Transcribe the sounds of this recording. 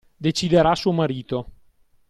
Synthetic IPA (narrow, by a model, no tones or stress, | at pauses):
d̪et͡ʃid̪eɾasuːomaɾiːt̪o